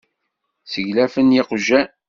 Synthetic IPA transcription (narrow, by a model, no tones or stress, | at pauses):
səʝlæfənjɪqʒæ